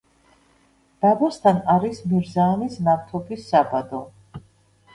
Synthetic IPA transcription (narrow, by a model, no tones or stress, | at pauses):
d̪̥abɔst̪ʰanaɾismiɾzaːmisnap̚t̪ʰɔbisːabad̪ɔ